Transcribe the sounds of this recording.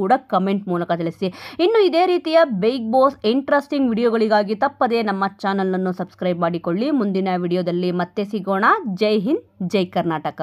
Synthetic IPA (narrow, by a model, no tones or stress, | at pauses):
uːɽɐkɐmeɳʈmuːlɐkɐt̪ɐɭisiinːuid̪e̞ːɾiːt̪ijɐbejk̚boːsiɳʈɾɐsʈiŋɡʋiːɽijoːɡɐɭiɡaːɡit̪ɐpːɐd̪e̞ːnɐmːɐt͡ʃaːnɐlnɐnːusɐbskɾɐjbmaːɽiko̞ɭːimund̪inɐʋiːɽijoːd̪ɐlːimɐt̪ːe̞siɡoːɳaːd͡ʒɐjɦind͡ʒɐjkɐɾnaːʈɐkɐ